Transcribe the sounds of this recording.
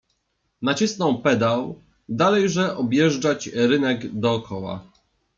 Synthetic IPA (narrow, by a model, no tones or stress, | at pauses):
nat͡ɕisnɔ̃w̃pɛd̪aw | d̪alɛjʐɛʔɔbʲjɛʐd͡ʐat͡ɕɾɘnɛɡd̪ɔːkʰɔwa̰